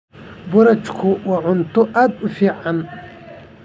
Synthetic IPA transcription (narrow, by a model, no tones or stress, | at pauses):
bʊɾɐt͡ʃkʰʊwɐʕʊnt̪ʊʔad̪ʊfiʕan